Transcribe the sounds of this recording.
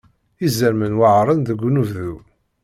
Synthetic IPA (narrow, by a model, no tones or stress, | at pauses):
izːəɾmənwaʕɾˤənðəɡʷːunuvðu